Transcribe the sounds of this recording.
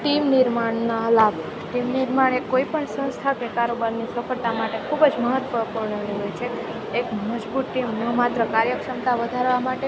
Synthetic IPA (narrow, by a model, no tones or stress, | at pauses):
ʈimnɪɾmaɳnalab | ʈimniɾmaɽ̃ekoipəɳsə̃w̃st̪ʰakekaɾobəɾnisəfəɾt̪amaʈekʰubəd͡ʒməɦət̪ːʋəpuɾɳəniɦojt͡ʃʰeː | kməd͡ʒbut̪̚ʈimnəmat̪ɾəkaɾjəkʂəmt̪aʋəd̪ʱaɾʋamaʈe